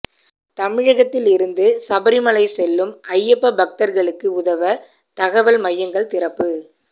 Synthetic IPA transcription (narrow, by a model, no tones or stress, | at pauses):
t̪ɐmɪɻɐɣɐt̪ːɪlɪɾɯnd̪ɯsɐbɐɾɪmɐɭɐɪsɛlːɯmʔɐjːɛpːɐbɐk̚t̪ɐɾɣɐɭɯkːɯʊðɐʋɐ | t̪ɐɣɐʋɐlmɐjːɐŋɡɐɭt̪ɪɾɐpːɯ